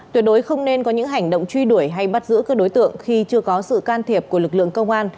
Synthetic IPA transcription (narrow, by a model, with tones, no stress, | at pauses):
t̪wi˨˩t̚ɗo˨˦jxə˧wŋ͡mne˧nkɔ˨˦ɲɨ̰˧˥ŋɦa˨˩jŋ̟ɗo̰˧˨wŋ͡mt͡ɕwi˧ɗu˧˩əjɦa˧jɓa˦˥t̚zɨ̰˧˥kaː˦˥k̚ɗo˨˦jt̪ɨ̰˧˨əŋxi˧t͡ɕɨ˧əkɔ˨˦sɨ̰˧˨kaː˧nt̪ʰi˨˩əp̚ku˧˩əlɨ˨˩k̚lɨ̰˧˨əŋkə˧wŋ͡mʔaː˧n